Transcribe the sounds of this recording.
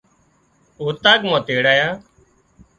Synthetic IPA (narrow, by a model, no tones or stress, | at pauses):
oːt̪aːɡmãːt̪eːɽaːjaː